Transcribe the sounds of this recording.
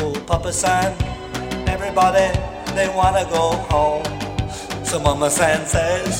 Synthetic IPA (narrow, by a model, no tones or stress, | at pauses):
upʰʌpəsãn | ɛvɹibɔɾi | ðeɪwɑ̃nɨɡoʊkʰɔlˠ | sʌ̃mʌməsæ̃nsez̥